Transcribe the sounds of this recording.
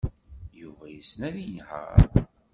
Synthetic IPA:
juvæjəsnæɾinhə̰ɾ

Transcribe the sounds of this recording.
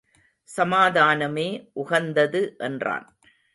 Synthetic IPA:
sɐmaːðaːnɐmeːʔʊɣɐnd̪ɐðɯʔɛndra̰ːn

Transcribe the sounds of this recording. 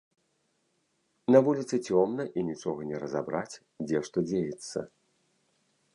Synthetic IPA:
nɐvulʲit̪sɨt͡sʲɔmnɐʔinʲit͡ʂɔɣɐnʲɛɾɐzabɾat͡sʲ | d͡zʲɛʂt̪ɔd͡zʲejɛt̪sːɐ̰

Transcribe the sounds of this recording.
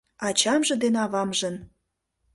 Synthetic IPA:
ɑt͡ɕɑmʒɤ̆d̪enɑβɑmʒən

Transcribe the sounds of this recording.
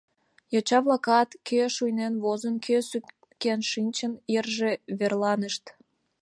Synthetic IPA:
jot͡ɕɑβlɑkɑt̪kʰeʃujnenβozənkʰøs | kenʃinʲt͡ɕənerʒeβerlɑnəʃt̪

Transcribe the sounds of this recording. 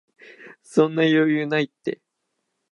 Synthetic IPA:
sõ̞nːajo̞ːjɯːnait̪ːe̞̰

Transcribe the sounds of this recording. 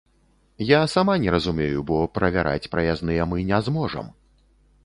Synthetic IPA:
jasamanʲɛɾɐzumʲejubɔpɾɐvʲaɾʔa̰t͡sʲpɾɐjaznɨjɛmɨnʲɛzmɔʐɐ̰m

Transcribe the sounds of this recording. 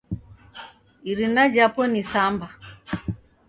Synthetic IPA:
iɾinad͡ʒapɔnisamba

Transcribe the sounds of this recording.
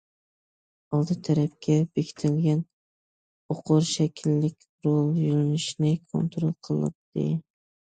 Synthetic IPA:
ɑlˠd̪ɨt̪ʰæɾæp̚kʲʰɛbekʲʰi̥t̪ʰɪlɡʲɛn | oqʰʊɾʃɛkʲʰilːɪkʲ | ɾolˠjylɪnɪʃnɪkʰo̰nt̪ɾolˠqʰəlˠɨ̰p̚d̪̥ɪ̰

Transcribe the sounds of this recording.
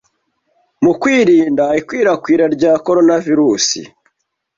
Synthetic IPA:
mukwiːɾiːndaikwiːɾakwiːɾaɾɟaːko̞ɾo̞naviɾuːsḭ

